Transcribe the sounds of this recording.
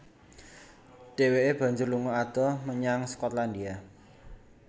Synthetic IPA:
ɖ̥e̤weʔeb̥ä̤ɲd͡ʒʊrluŋɔad̪̥ɔməɲaŋskɔt̪land̪ia

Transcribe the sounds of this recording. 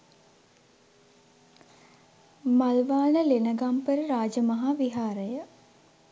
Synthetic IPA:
malʋaːnəlenəɡampəɾəɾaːd͡ʒəmɐɦaʋiɦaːɾəjə

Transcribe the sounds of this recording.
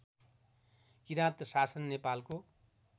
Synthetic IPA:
kiɾãt̪sasʌnːepalko

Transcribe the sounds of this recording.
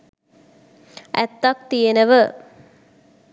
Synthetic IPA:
æ̰t̪ːak̚t̪ijenəʋə

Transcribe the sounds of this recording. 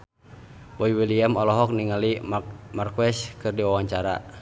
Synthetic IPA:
bɔiwiliamɔlɔɦɔk̚niŋalimarkwɛskɨrdiwawaɲt͡ʃaɾa̰

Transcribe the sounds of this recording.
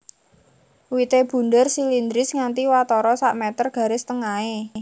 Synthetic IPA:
wit̪eb̥ṳndərsilind̪ɾɪsŋant̪iwat̪ɔɾɔsaʔmɛt̪ərɡ̥ä̤ɾɪst̪əŋae

